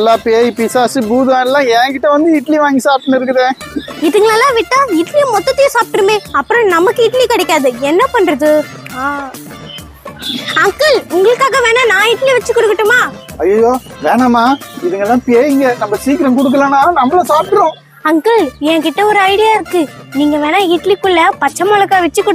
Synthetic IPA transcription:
ɛlːaːpeːjpisaːsɯbuːðʋaːnɛlːãːɛ̃ːkɪʈːɐʋɐnd̪ɯɪʈːliʋaːŋɡisaːp̚ʈɐɳɪɾɯk̬ːɯðẽːɪðɯŋɡɐɭaːlːãːʋɪʈːãɪʈːlijɐ̃mɔt̪ːɐt̪ːɪjɐ̃saːp̚ʈɯɾɯmeːɐpːɯɾɔ̃nɐmɐkːɯɪʈːlikɐɽɛkːaːðɯɛnːɐpɐɳnɾɐðɯ | aː | ɐŋkɯɭʊŋɡɐɭɯkːaːɣɐʋeːnaːnãːiːʈːliʋɐt͡ʃːɯkːɔɽɯkːɪʈːɯmaːɐjːɐjoːʋeːɳaːmaːɪðɯŋɡɐɛlːãːpeːjɪŋɡɛnɐmːɐsiːkɪɾɐmkʊɽɯk̬ːɯlɐ̃nːaːnɐmːɐlɐsaːp̚ʈɯɾõ | ɐŋkɯɭjɛ̃ːkɪʈːɐɔɾɯɐɪɽɪjaːɪɾɯkːɯniːŋɡɐʋeːnaːiːʈlikːʊɭːɐpɐt͡ʃːɐmaːɭɐkːaːʋɛt͡ʃːɯkːɔɽ

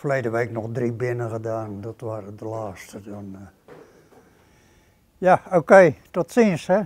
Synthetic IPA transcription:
fəleːdəʋeːknɔxdribɪnəɣədaːndɔtʋaːrədəlaːstədɔn | jaoːkeːd̥ɔtsinshɛ

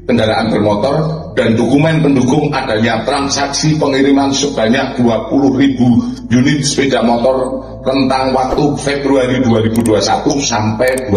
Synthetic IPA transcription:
t̪əŋɡaɾaʔanbərmɔt̪ɔr | d̥a̤ndokumɛnpənduɡʊŋʔad̥a̤ɲat̪ɾansaksipəŋiɾimansəb̥a̤ɲak̚d̪̥uapulʊhribu | junɪt̪̚spedamɔt̪ɔr | rənt̪aŋwak̚t̪ufebɾuaɾiduaɾib̥uduasat̪usampɛd̥u

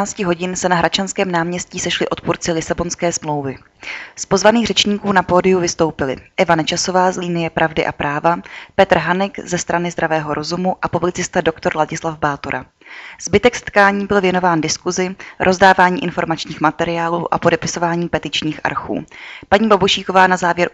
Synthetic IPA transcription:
aːt͡scɪɦo̞ɟɪnsɛnaɦɾʔat͡ʃanskɛːmnaːmɲɛsciːsɛʃlɪʔo̞t̪̚puɾt͡sɪlɪsabo̞nskɛːsmlo̞wvɪ | spozvaniːɣrɛt͡ʃɲiːkuːnapo̞ːdɪjuvɪst̪o̞wpɪlɪ̰ʔɛvanɛt͡ʃaso̞vaːzliːnɪjɛpɾʔavdɪʔa̰pɾʔaːvapɛt̪r̩ɦanɛɡzɛst̪ɾanɪzd̪ɾavɛːɦo̞ɾʔo̞zumuʔapublɪt͡sɪst̪ado̞kt̪o̞ɾlaɟɪslavbaːt̪oɾʔa | z̥bɪt̪ɛksɛ̥t̪̚kaːɲiːbɪlvjɛno̞vaːndɪskuzɪɾʔo̞zdaːvaːɲiːʔɪnfo̞ɾmat͡ʃɲiːxmat̪ɛɾɪjaːlṵːʔa̰podɛpɪso̞vaːɲiːpɛt̪ɪt͡ʃɲiːxʔa̰ɾxṵːpaɲiːbaboʃiːko̞vaːnazaːvjɛɾ

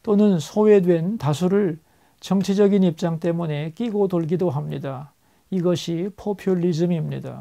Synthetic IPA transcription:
t͈onɯnsʰoe̞dwe̞ntas̬ʰuɾɯɭ | t͡ɕʌŋt͡ɕʰid͡ʑʌɡinip̚t͡ɕ͈aŋt͈e̞mune̞k͈iɡotoɭɡidoɦamɲida | iɡʌɕʰipʰopʰjoʎːid͡ʑɯmimɲida̰

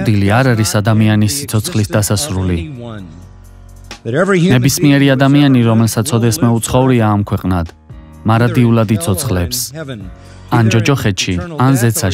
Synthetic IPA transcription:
d̪iliaɾaɾisad̪amianisːit̪sʰɔt̪sʰχlisd̪asasɾuli | nɛbismiɛɾiad̪amianiɾɔmɛlsat̪sʰɔd̪ɛsmɛut̪sʰχɔuɾiaːmkʰwɛqʼnad̪̥ | maɾad̪iulad̪it̪sʰɔt̪sʰχlɛps | and͡ʒɔd͡ʒɔχɛt̪ʃʰianzɛt̪sʰa

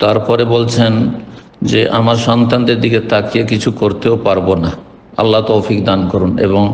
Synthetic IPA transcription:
t̪aɾpɔɾebolt͡ɕʰen | d͡ʑeʔamaɾʃɔnt̪and̪eɾd̪iket̪akiekit͡ɕʰukoɾt̪eopaɾbona | a̰lːat̪owfikd̪ankoɾunḛβoŋ

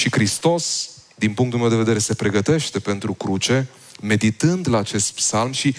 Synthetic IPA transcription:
ʃikɾist̪o̞s | d̪inpuŋk̚t̪ulmewd̪eved̪e̞ɾe̞se̞pɾe̞ɡət̪e̞ʃt̪e̞pe̞nt̪ɾukɾut͡ʃe̞ | me̞d̪it̪ɨnd̪laːt͡ʃe̞st̪psalmʃi

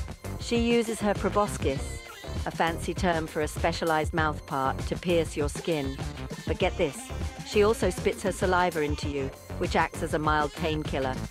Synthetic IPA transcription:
ʃijʉzɨz̥ə˞pʰɹ̥ɨbɑskɪs | əfæ̃nsitʰɜ̃˞ɱfə˞ɨspɛʃəlaɪz̚maʊθpʰɑɹtʰɨpʰɪɹsjə˞skɪ̃nb̥ʌt̚ɡ̥ɛt̪̚ðɪsʃiɔlˠsoʊspɪtshə˞səlaɪvə˞ɪ̃ntʰʉjʉ | wɨt͡ʃæk̚tsɨzəmaɪlˠd̚tʰẽɪ̃nkʰɪlˠə˞

